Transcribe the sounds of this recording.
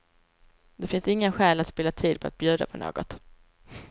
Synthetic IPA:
d̪ɛfɪnsɪŋːənɧɛːlat̪spɪːlat̪ʰiːd̪̚pʰɔa̰t̪̚bjʉ̟ːd̪a̰pʰɔno̰ːɡɔt̪

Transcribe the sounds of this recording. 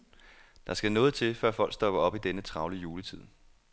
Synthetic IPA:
d̥ɑ̈sɡ̥ænɔ̽ːð̞̩ˠt͡sʰe̝lfɶɐ̰fɒ̽l̰ɡ̥sd̥ɒ̽b̥ɐɒ̽b̥id̥enət͡sʰʁɑ̈ʊlijuːlət͡sʰið̞̰ˠ

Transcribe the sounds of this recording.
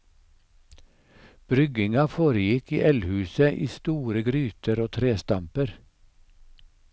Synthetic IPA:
b̥ɾʏɡɪŋɑfoːɾəjɪkḭːʔɛlhʉːsəʔiːst̪uːɾəɡɾyːt̪ʰəɾoːt̪ʰɾeːst̪ɑmpəɾ

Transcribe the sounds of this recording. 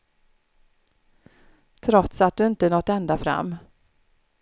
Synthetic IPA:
t̪ʰɾɔt̪sat̪̚d̪ɵɪnt̪ənɔt̪ːɛnd̪afɾa̰mː

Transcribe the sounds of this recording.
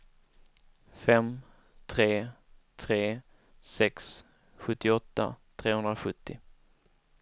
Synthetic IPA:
fɛm | t̪ʰɾeːt̪ʰɾeː | sɛks | ɧɵt̪ːɪɔt̪ːa̰t̪ʰɾeːhɵnd̪ɾaɧɵt̪ːɪ

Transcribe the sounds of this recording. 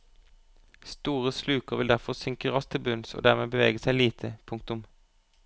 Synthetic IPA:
st̪uːʁəslʉːkəʁʋɪld̪æʁfɔʁsʏŋkəʁɑst̪ʰɪlbʉnso̰ːd̪æʁmeːbəʋeːɡəsæɪliːt̪ʰəpʰʊŋk̚t̪ʊm

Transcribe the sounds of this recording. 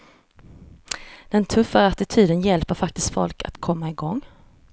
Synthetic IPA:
d̪̥ɛnt̪ʰɵfːaɾat̪ɪt̪ʰyːd̪ənjɛlpəɾfak̚t̪ɪst̪fɔ̰lkʰa̰t̪kʰɔmːaɪɡɔŋː

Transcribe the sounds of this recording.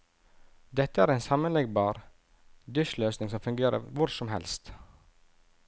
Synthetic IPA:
d̪ɛt̪ːəæːɾeɪnsɑmənlɛɡbɑːɾ | d̪ʏʃløːsnɪŋsɔmfʉŋɡeːɾə̰ʋʊɾsɔmhɛ̰lst̪

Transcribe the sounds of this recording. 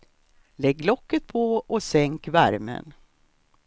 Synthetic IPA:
lɛɡːlɔkːət̪̚pʰoɔsɛŋkvæɾmə̰n

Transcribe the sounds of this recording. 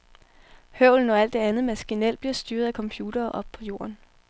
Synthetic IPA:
høʊ̰ln̩ɒ̽æl̰d̥ːe̝ænð̩ˠmæsɡ̥inel̰d̥b̥liɐsd̥yːɐð̞̩ˠækʰɒ̽mpʰjuːd̥ɐːʔɒ̽b̥̚pʰɒ̽jo̝ːɐn

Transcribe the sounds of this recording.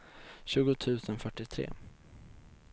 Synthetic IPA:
ɕʉ̟ːɡʊt̪ʰʉ̟ːsənfœʈːɪt̪ʰɾḛː

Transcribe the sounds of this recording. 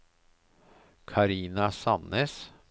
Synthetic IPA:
kʰɑɾiːnɑsɑneːs

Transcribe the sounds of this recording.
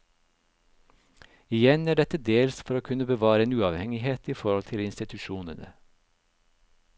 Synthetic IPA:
ɪjɛnæːɖɛt̪əd̪eːlsfɔɾoːkʰʉnəbəʋɑːɾəeːnʉːɑʋhɛŋɪheːt̪iːfɔɾɔlt̪ʰɪlɪnst̪ɪt̪ʰʉʃuːnənə̰

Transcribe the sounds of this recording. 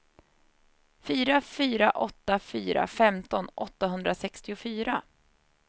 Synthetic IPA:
fyːɾafyːɾaʔɔt̪ːafyːɾa̰fɛmt̪ɔnʔɔt̪ːaɦɵnd̪ɾasɛkst̪ɪʊfyːɾa

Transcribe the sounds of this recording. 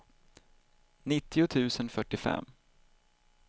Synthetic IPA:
nɪt̪ʰːɪʊt̪ʰʉ̟ːsənfœʈːɪfɛ̰mː

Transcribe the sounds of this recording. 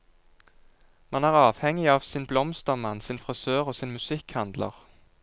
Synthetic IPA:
mɑnæːʁɑːʋhɛŋɪɑːʋsɪnblɔmst̪əʁmɑnsɪːnfʁɪsøːʁoːsiːnmʉsɪkhɑnd̪lə̰ʁ

